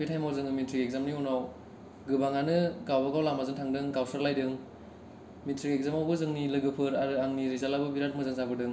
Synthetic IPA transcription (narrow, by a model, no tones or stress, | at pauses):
pitʰajmazɯŋɯmitʰɾiɡek̚zamniunaw | ɡɯbaŋanɯɡawbaɡawlamazɯŋtʰaŋdɯŋɡawsɯɾlajdɯŋ | mitɾiekzamawbɯzɯŋnilɯɡɯpʰɯɾaɾɯaŋniɾizalabɯbiɾat̚mɯzɯŋzabɯdɯŋ